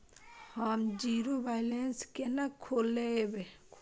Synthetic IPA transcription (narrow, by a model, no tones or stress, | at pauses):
haːmd͡ʒiːɾobaːjlenskenakʰːoːlːeebe